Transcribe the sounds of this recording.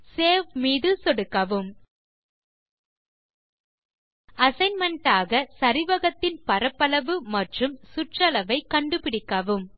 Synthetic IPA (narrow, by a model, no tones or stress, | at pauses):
seːʋmiːðɯsɔɽɯkːɐʋɯm | ɐsɐɪnmɐɳʈaːɣɐsɐɾɪʋɐɣɐt̪ːɪnpɐɾɐpːɐlɐʋɯmɐʈrɯmsʊʈrɐlɐʋɐɪkɐɳɖɯpɪɽɪkːɐʋɯm